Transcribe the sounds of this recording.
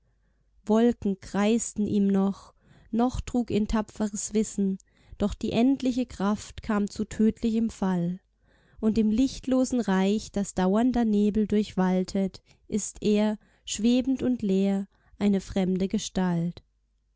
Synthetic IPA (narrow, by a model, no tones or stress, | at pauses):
vɔlkŋ̩kʁ̥aɪstn̩ʔiːmnɔχ | nɔχtʁ̥uːkiːntʰapp͡fəʁəsv̥ɪsn̩ | d̥ɔχd̥iːʔɛntlɪçəkʁ̥aftkʰaːmt͡sutʰøːtʰlɪçəmfal | ʔʊntɪːmlɪçtloːzn̩ʁaɪçd̥asd̥aʊɐndɐneːbl̩dʊɐçv̥altʰət | ʔɪstʔeːɐ | ʃv̥eːbn̩tʊntleːɐ | ʔaɪnəfʁ̥ɛmdəɡəʃtalt